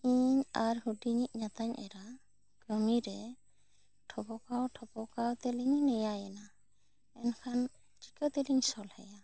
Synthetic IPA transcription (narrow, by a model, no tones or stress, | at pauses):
iɲaɾhuɖiɲiʔ̚ɲat̪aɲɛ̰ɾa | ɡ̥ɾɔmiɾɛ | ʈʰɔbɔkawʈʰɔbɔkawt̪ɛliɲnɛjajɛna | ɛnkʰan | t͡ʃi̥kət̪ɛliɲsɔlhɛja